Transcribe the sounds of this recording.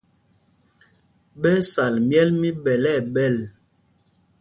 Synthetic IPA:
ɓɛ˦sa˨lmjɛ˦lmi˦ɓɛ˨lɛ˦˨ɓɛ˦˨l

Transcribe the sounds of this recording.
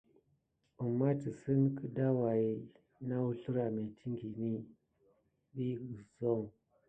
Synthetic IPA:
a˨mːa˦ti˨sə˦nkə˦da˦wa˨i˨˦ | na˦wu˦ɬu˦ɾa˨me˨tʰi˦ŋɡi˨ni˦ | bi˦ɡə˨zo˦˨ŋ

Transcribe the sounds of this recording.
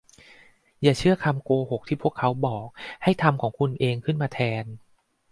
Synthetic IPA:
jaː˨˩t͡ɕʰɯ˥˩ɐkʰa˧mkoː˧ho˨˩k̚t̪ʰiː˥˩pʰu˥˩əkʰːa˦˥wbɔː˨˩k̚ha˥˩jt̪ʰa˧mkʰɔː˩˦ŋkʰu˧nʔeː˧ŋkʰɯ˥˩nmaː˧t̪ʰɛː˧n

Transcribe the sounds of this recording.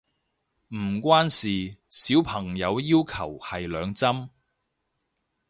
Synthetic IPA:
m̩˨˩kʷaː˥nsiː˨siː˨˥wpʰɐ˨˩ŋjɐ˨˧wjiː˥wkʰɐ̰˨˩whɐ˨jlœː˨˧ŋt͡sɐ˥m

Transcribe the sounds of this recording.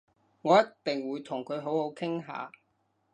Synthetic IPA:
ŋɔː˨˧jɐ˥tt̪ːɪ˨ŋwuː˨˧jt̪ʰʊ˨˩ŋkʰɵ˨˧ɥɦo˨˥who˨˥wkʰɪ˥ŋɦa̰ː˨˧

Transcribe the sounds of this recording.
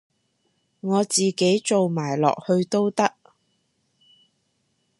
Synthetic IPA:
ŋɔː˨˧t͡siː˨ke˨˥jt͡so˨wmaː˨˩jlɔ̰ː˨k̚hɵ˧ɥt̪o˥wt̪ɐ˥k̚

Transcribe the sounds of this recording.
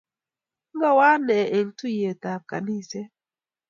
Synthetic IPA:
ŋɡa˦wa˦nɛ˨ʔe˨ntu˦je˨ta˨ka̰˨ni˦˨sɛ˦

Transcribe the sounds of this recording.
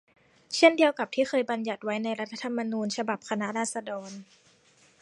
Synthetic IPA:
t͡ɕʰe˥˩ndi˧əwka˨˩p̚t̪ʰiː˥˩xɤː˧jba˧nja˨˩t̪̚wa˦˥jna˧jɾa˦˥t̪ʰːa˧t̪ʰa˧mːa˧nuː˧nt͡ɕʰa˧ba˨˩p̚kʰa˧na˦˥ʔɾaː˥˩t̪̚sa˧dɔː˧n

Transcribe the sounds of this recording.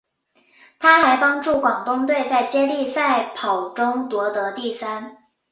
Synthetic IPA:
t̪ʰa˥xa˧˥ɪpɑ˥ŋʈ͡ʂu˥˩kwɑ˨˩ŋt̪ʊ˥ŋt̪we˥˧ɪt͡sa˥˩ɪt͡ɕjɛ˥li˥˧sa˥˩ɪpʰɑ˨˩ʊʈ͡ʂʊ˥ŋt̪wɔ˧˥t̪ɤ˧˥t̪i˥˩sa˥n

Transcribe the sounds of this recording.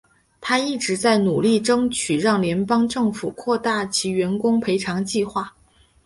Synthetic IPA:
t̪ʰa˥i˥˩ʈ͡ʂɻ̩˧˥t͡sa˥˩ɪnu˨˩li˥˩ʈ͡ʂɤ˥ŋt͡ɕʰy˨˩ɻɑ˥˩ŋljɛ˧˥npɑ˥ŋʈ͡ʂɤ˥˩ŋfu˨˩kʰwɔ˥˧t̪a˥˩t͡ɕʰi˧˥ɥɛ˧˥nkʊ˥ŋpʰe˧˥ɪʈ͡ʂʰɑ˧˥ŋt͡ɕi˥˧xwa˥˩

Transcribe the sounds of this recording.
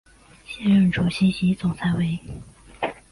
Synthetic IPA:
ɕjɛ˥nɻə˥˩nʈ͡ʂɔ˧˥ɕi˥ɕi˧˥t͡sʊ˨˩ŋt͡sʰa˧˥ɪwe˧˥ɪ

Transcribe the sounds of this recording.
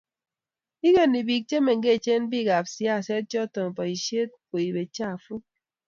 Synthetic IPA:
i˦ɡe˨nːi˨bi˨k̚t͡ʃe˦me˨ŋ̩˨ɡe˦˨t͡ʃe˦n˦bi˦˨ɡa˨p̚sja˦˨se˦t̚t͡ʃɔ˦to˨m˨pɔ˨i˨ʃe˦t̚ko˨i˨be˨t͡ʃa˦˨fu˦

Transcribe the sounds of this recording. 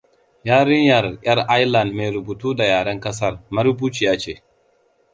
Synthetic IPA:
jaː˦ɾɪ˦ɲjɐ˨rʔʲʼɐ˦rʔa˦jla˨ndme˨jɾʊ˨buː˨tuː˦da˨jaː˨ɽɐ˦ŋkɐ˦s̬ɐ˦rmɐ˦ɾbuː˦t͡ʃi˨jaː˦t͡ʃeː˦˨

